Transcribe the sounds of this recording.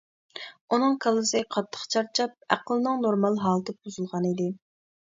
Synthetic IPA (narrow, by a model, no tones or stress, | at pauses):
unɨŋkʰɑlˠːɨsɨqʰɑt̪ʰːə̥χt͡ʃʰɑɾt͡ʃʰɑp̚æ̰qəlˠnɨŋnoɾmɑlˠɦɑːlˠt̪ʰɨb̚uzulˠʁɑnid̪ɪ